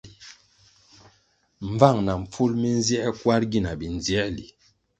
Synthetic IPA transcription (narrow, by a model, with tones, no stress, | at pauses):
m˨va˦˨ŋna˨m̩˨p͡fu˦lmi˦n˦zjɛ˦kwa˦ɾɡi˦˨na˨bi˨n˨zi˦ɛ˦li˨